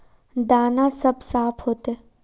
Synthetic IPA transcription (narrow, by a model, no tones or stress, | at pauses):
d̪aːnasɐbsaːpʰɦoːt̪e